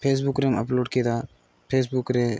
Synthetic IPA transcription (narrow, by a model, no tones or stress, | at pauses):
pʰeːs̬bukɾemɐ̰ploːɖkid̪aː | pʰeːs̬bukɾe